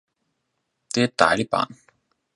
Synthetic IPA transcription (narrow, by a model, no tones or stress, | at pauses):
t̪eːt̪a̰ːlipa̰ːn